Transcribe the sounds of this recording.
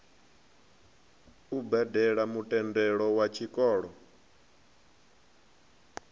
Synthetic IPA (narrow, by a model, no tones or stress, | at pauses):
ubɛdɛɺamutʼɛndɛɺɔwat͡ʃʰikʼɔːɺɔ